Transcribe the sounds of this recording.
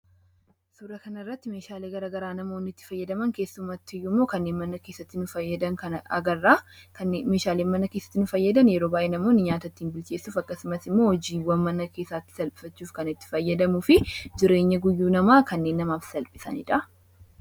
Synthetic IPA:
suːɾɐkɐnɐɪrːɐt̪ːɪmeːʃaːleːɡɐɾɐɡɐɾaːnɐmo̞ːnɪt̪ːɪ̥fɐjːɐd̪ɐmɐŋke̞ːsːʊmɐt̪ːɪɪjːʊmːo̞ːkɐnːeːnmɐnːɐke̞ːsːɐt̪ːɪnʊfɐjːɐd̪ɐnkɐnɐ̰ɡɐrːaːkɐme̞ːʃaːleːnmɐnɐkeːsːɐ̥t̪ːɪnʊfɐjːɐd̪ɐnjɛɾoːbaːʔeːnɐmo̞ːnɪɲaːt̪ɐt̪ːiːnbɪlt͡ʃe̞ːsːuːfɐkːɐsʊmɐsɪmːo̞ːhɔd͡ʒiːwɐnmɐnɐke̞ːsːaːt̪ːɪ̥sɐlpʼɪ̥fɐt͡ʃːuːfkɐnɪt̪ːɪ̥fɐjːɐd̪ɐmʊfɪd͡ʒɪɾe̞ːɲːɐɡʊjːuːnɐmaːkɐnːe̞ːnːɐmaːfsɐlpʼɪsɐ̰nɪ̰ᶑɐ

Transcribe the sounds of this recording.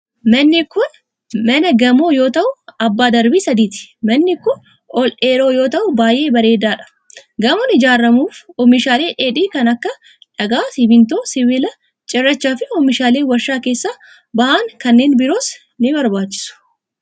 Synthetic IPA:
mɐnːɪkʊn | mɐnɐɡɐmoːjo̞ːt̪ɐʔʊɐbːaːd̪ɐɾbiːsɐd̪iːt̪ɪ̥mɐnːɪkʊn | ɔlʔeːɾo̞ːjo̞ːt̪ɐʔʊbaːjʔe̞ːbɐɾe̞ːd̪aːᶑɐ̥ | ɡɐmɔnɪd͡ʒaːrːɐmuːfɔmɪʃaːle̞ːʔeːᶑiːkɐnɐkːɐ | ᶑɐɡaːsɪbɪnt̪o̞ːsɪvɪlɐ | t͡ʃʼɪrːɐt͡ʃːaːfɪɔmɪʃaːleːwɐɾʃaːke̞ːsːaː | bɐhaːŋkɐnːe̞ːnbɪɾo̞ːs | nɪbɐɾbaːt͡ʃːɪ̥sʊ̥

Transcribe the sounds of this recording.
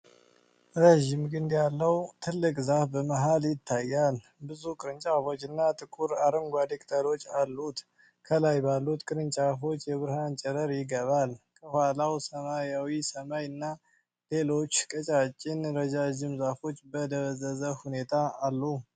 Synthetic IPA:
ɾeʒimɡɨnd̪jalːəwt̪ʰɨlːɨkʼzafbəməɦaljɪt̪ʰːajːal | bɨzukʼɨɾɨnt͡ʃʼafo̞t͡ʃːɨnːat̪ʼɨkʼuɾaɾəŋɡʷad̪ekʼt̪ʰəɾo̞t͡ʃːalːut̪ | kʰəlajbalːut̪kʼɨɾɨnt͡ʃʼafo̞t͡ʃːjɛβɨɾhant͡ʃʼɛɾəɾjɪɡəβalkʰəhwalawsəmajawisəmajɨnːa | le̞lo̞t͡ʃːkʼət͡ʃʼat͡ʃʼːɪnɾəd͡ʒad͡ʒɪmzafo̞t͡ʃːbəd̪əβəzəzəhune̞t̪ʰaːlːu

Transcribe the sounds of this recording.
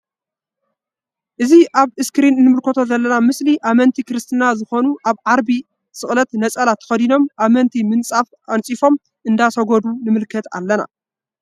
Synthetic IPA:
ʔɨziʔaβɨskɨɾinɨnːɨmɨlkʰot̪ʰo̞zɐlːɐnamɨsliʔamɐnt̪ʰikɨɾɨst̪ʰɨnazɨxo̞nuʔaβʕaɾbi | sɨxʼlɐt̪nɐt͡sʼɐlat̪ʰɐ̥fɐd̪ino̞mʔamɐnt̪ʰimɨnt͡sʼafʔant͡sʼifo̞m | ʔɨnd̪asɐɡod̪unɨmɨlkʰɐt̪a̰lːɐna̰

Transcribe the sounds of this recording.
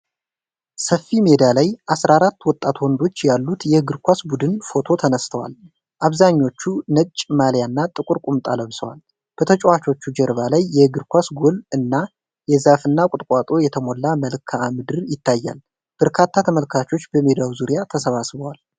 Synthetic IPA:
səfime̞d̪alajʔasɾaaɾat̪ːwɔt̪ʼːat̪wɔnd̪o̞t͡ʃːjalːut̪jɛɡɨɾkʷasbud̪ɨnfo̞t̪ʰo̞t̪ʰənəst̪ʰəwa̰l | ʔaβzaɲːo̞t͡ʃːunət͡ʃʼːmaljanːat̪ʼɨkʼuɾkʼumt̪ʼaləβsəwa̰l | b̥ət̪ʰət͡ʃʼwat͡ʃʰo̞t͡ʃːud͡ʒɛɾβalajːɛɡɨɾkʷasɡolɨnːa | jɛzafɨnːakʼʊt̪ʼkʼat̪ʼo̞jɛt̪ʰəmo̞lːaməlkʰaːmɨd̪ɨɾjɪt̪ʰːajːa̰l | b̥əɾkʰat̪ʰːat̪ʰəməlkʰat͡ʃo̞t͡ʃːbəme̞d̪awzuɾijat̪ʰəsəβasβəwal

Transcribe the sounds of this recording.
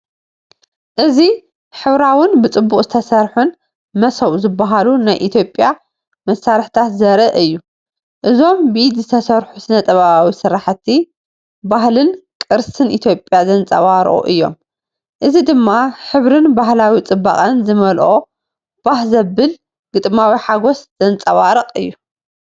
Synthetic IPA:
ʔɨzi | ħɨβɾawɨnbɨt͡sʼɨbːukʼzɨt̪ʰɐsɐɾħun | mɐsɐwzɨbːaɦalunajʔit̪ʰjopʼja | mɐsːaɾħt̪ʰat̪zɐɾɐʔɨjːu | ʔɨzo̞mbɨʔid̪zɨt̪ʰɐsɐɾħusɨnɐt̪ʼɐβaβawisɨɾaħt̪ʰi | bahlɨnkʼɨɾsɨnʔit̪ʰjo̞pʼjazɐnt͡sʼɐ̰βaɾʔʼṵʔɨjːo̞̰m | ʔɨzid̪ɨmːaħɨβɾɨnbahlawit͡sʼɨbːa̰χʼɐnzɨmɐlʔo̞ | b̥ahzɐbɨl | ɡ̥ɨt̪ʼmawiħaɡo̞sz̥ɐnt͡sʼɐβaɾɨqʼɨjːu

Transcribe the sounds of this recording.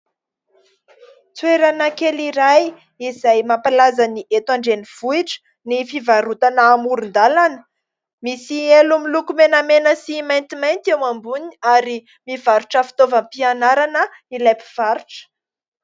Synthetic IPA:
t͡sweɾanəkeliɾaj | izajmapalazaniʔet̪waɳɖ͡ʐeniv̥uiʈ͡ʂə̥ | nifivaɾut̪anaːmuɾund̪alanə̥ | misielumilukumenəmenəsimajnt̪imajnt̪ewambuniaɾi | miv̥aɾuʈ͡ʂəfi̥t̪ovəmpianaɾanə | ilajpi̥v̥aɾuʈ͡ʂə̥

